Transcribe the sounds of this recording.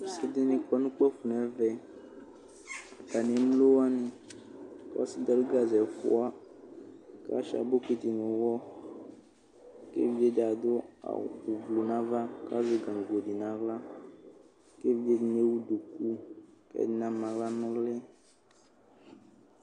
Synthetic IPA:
se˦d̪e˦nĩ˨kɔ˦nũ˦k͡pɛ˦fu˨n˨ɛ̃˨˦vɛ˨ | ɡa˨nẽ˨m˦lo˦wa˦nĩ˨ | ka̰˦a˦si˦d̪ɔ˦do˦ɡa˨zɛ˨fo̰˦a˦ | ka̰˦ʃa̰˨bo˦ke˦t̪i˨nũ˨wɔ˦ | kḛ˦vi˦e˦d̪a˨d̪o˦a̰˨u˨vlo˨nã˦va˦ka̰˦ze˦ɡã˨ŋ˨ɡo˨di˨nã˨ɣla˦ | ke˦vi˦de˦˨n˦e˦wu˦ɖu˨ku˦kɛ̰˦˨i˦nã˦mã˨ɣla˦nɔ̃˦le˦

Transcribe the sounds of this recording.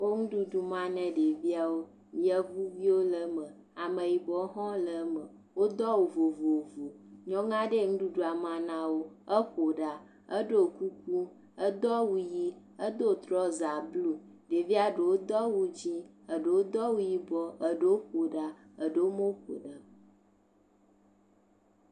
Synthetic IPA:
wo˦ŋũ˦ɖu˦ɖu˨mã˦nɛ̃˨ɖe˨vi˦a˨wo˦ | jə˦vu˦vi˦wo˦lə˨mə̃˨ | a˨mə˨ji˨bɔ˨˦ɦɔ̃˦lə˨˦mə˨ | wo˦d̪ɔ˦wo˨vo˨vo˨vo˨ɲɔ̃˦ŋã˦ɖe˦ŋũ˦ɖu˦ɖu˦a˨mã˨nã˦wo˦ə˦ɸo˨ɖa˨ | ə˦ɖo˦˨ku˦k̚u˦ | ə˦d̪ɔ˦wu˦ji˦ | ə˦d̪o˦˨t̪ɾɔ˦za˨blu˦ | ɖe˨vi˦a˦ɖə˨wo˦d̪ɔ˦wu˦d͡ʑi˦ | ə˨ɖə˨wo˦d̪ɔ˦wu˦ji˦bɔ˨ə˨ɖə˦wo˦ɸo˨ɖa˨ | ə˨ɖə˦wo˦mõ˦ɸo̰˨ɖə˨

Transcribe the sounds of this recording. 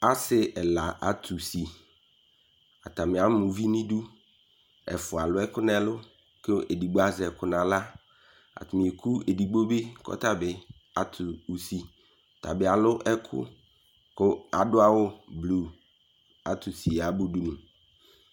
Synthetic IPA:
a˦sɪ˦ɛ˨la˨ʔa˨t̪ʰu˨si˨ | a˨t̪a˨mɪ̃˨a˨mʊ̃˨vi˦nĩ˦du˦ | ɛ̰˨fʊ˨a˨lʊ˦ɛ˦kʊ˦nɛ̃˦lʊ˦ | ko˦ʔe˨di˨ɡ͡bo˦a˦zɛ˨kʊ˦nã˨la˦ | a̰˨t̪ʊ˨mĩ˨e˨kʰu˦e˨di˨ɡ͡bo˦be˦kɔ̰˦t̪a˦bɪ˨ | a˨t̪ʰʊ˨u˨si˨ | t̪a̰˨bɪ˨a˨lʊ˦ʔɛ˦kʰʊ̰˦ | kʊ˦a˨dʊ˦a˦wʊ˦blu˨ | a˨t̪u˨si˨a˨bu˦du˦nũ˨

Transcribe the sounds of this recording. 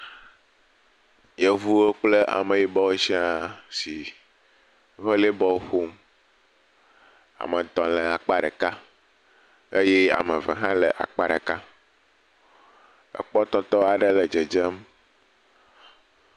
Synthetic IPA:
je˨vu˦wo˦k͡ple˦ʔa̰˨mẽ˨ji˨bɔ˦we˦si˦a˨si˨˦ | ɸe˦le˦bɔ˦ɸo˦m | a̰˨mə˨t̪ɔ̃˨lɛ˨a˨k͡pa˦ɖə̰˨ka˦ | e˦je˦a̰˨mə˨və̰˨ɦã˦lɛ̰˨ʔa̰˨k͡pa˦ɖḛ˨ka˦ | ə̰˨k͡pɔ˦t̪ɔ˦t̪ɔ˦a˨ɖə˦lɛ˨d͡ʒɛ˨d͡ʒɛ˦m

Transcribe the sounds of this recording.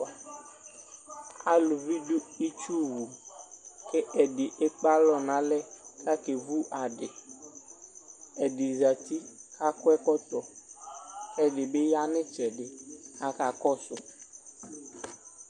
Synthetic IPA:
a̰˨lʊ˨vi˦du˦i˦t͡ʃu˦wu˨ | ke˦ʔɛ˨ɖɪ˨ʔe˦k͡pa˦lɔ˨nã˨lɛ˦ka˦ke˨vu˦ʔa˨ɖɪ˨ | ɛ˨dɪ˨za˨t̪i˦ka˦kʊ˦ɛ˦kɔ˦t̪ɔ˨ | ɛ˨ɖɪ˨be˦ja˦nɪ̃˦t͡ʃɛ˨ɖɪ˨a˨ka˨kɔ˦sʊ˨

